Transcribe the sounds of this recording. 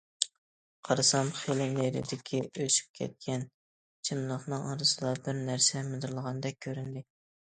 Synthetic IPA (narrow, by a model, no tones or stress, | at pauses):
qʰɑɾɨsɑmχelɪneɾɪ̰d̪ɪkʲʰiøʃy̥p̚kʲʰɛ̰t̪̚kʲɛn | t͡ʃʰɪmlˠəχnɨŋɑɾɨzɨlˠɑbɪɾnæɾsɛmɨd̪ɨɾlˠəʁɑnd̪ɛk̚ʲʰːøɾynd̪ɪ